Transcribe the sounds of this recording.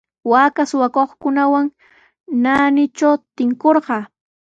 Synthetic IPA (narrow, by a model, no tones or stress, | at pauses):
wakasʊwakoχkʊnawaŋ | naːnɪt͡ʃawt̪ɪŋkoɾɢɑː